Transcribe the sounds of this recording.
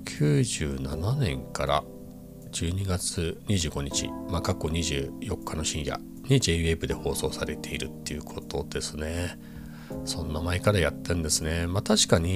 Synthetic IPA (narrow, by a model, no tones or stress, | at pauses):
kʲʰɨːʑɨːnananẽ̞ŋkaɾa̰ | d͡ʑɨːɲ̟iɡat͡sɨɲ̟iʑɨ̟ːɡo̞ɲ̟it͡ɕḭmakakːo̞ɲ̟iʑɨːjo̞kːano̞ɕĩɰ̃ja̰ | ɲ̟id͡ʑe̞iebɯ̟d̪e̞ho̞ːso̞ːsaɾe̞t̪e̞iɾɯ̟t̪ːe̞̰ɯ̟kʰo̞t̪o̞d̪̥e̞sɨne̞ | sõ̞nːamaekaɾajat̪ːẽ̞nd̪e̞sɨne̞mat̪aɕi̥kaɲ̟i